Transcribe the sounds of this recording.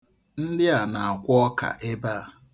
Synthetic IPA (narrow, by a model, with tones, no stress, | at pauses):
n̩˦dɪ˦a˨na˨a˨kʷʊ˦ɔ˦ka̰˨ʔe˦ba˦˨